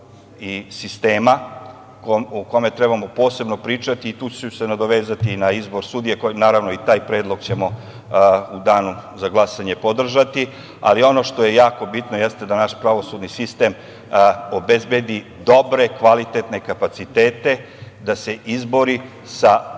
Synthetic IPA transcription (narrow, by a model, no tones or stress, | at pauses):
isist̪eːma | kuko̞met̪ɾebamo̞po̞ːse̞bno̞pɾiːt͡ʂat̪iːt̪uːt͡ɕeusenad̪o̞ʋeːzat̪inaizbo̞ɾsuːd̪ijekonaːɾaʋno̞it̪aːjpɾeːd̪lˠo̞ɡt͡ɕe̞mo̞ | ud̪aːnuzaɡlˠasaɲe̞pod̪r̩ʒat̪i | a̰lio̞no̞ʃt̪o̞je̞jaːko̞bit̪nojest̪ed̪anaʃpɾaʋo̞sud̪nisist̪e̞m | obezbe̞d̪i | d̪o̞bɾe̞kʋalit̪et̪nekapat̪sit̪eːt̪e̞ | d̪ase̞ʔizbo̞ɾi | sa